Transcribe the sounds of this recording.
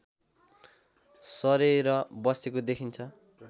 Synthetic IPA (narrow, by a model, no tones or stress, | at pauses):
sʌɾeɾʌbʌsekod̪ekʰint͡sʰʌ